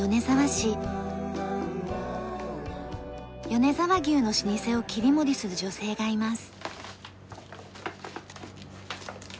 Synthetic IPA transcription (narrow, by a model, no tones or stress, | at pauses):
o̞ne̞zaβaɕi | jo̞ne̞zaβaɡʲɨːno̞ɕiɲise̞o̞kʲiɾʲimo̞ɾʲisɨɾɯ̟d͡ʑo̞se̞ːɡaimasɨ̥